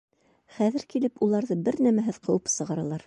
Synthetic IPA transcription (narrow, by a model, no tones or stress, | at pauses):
χæðɘ̆ɾkilɘpulˠɑɾðɤbɘɾnæmæɦɘðqɤ̆wɤpsɤ̆ʁɑɾɑlˠɑɾ